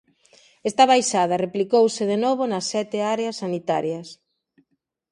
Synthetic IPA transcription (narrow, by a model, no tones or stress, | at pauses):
est̪ɐβajʃað̞ɐreplikowsɪðenoβ̞onɐsːɛt̪ɪaɾeɐsːanit̪a̰ɾjɐs